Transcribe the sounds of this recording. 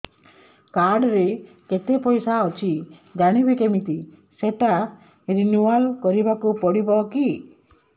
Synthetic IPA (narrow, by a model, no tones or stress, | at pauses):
kaɾɖɾe | ket̪epɔjsaɔt͡ʃʰid͡ʒaɽ̃ibikemit̪i | seʈa | ɾinualkɔɾibakupɔɽibɔki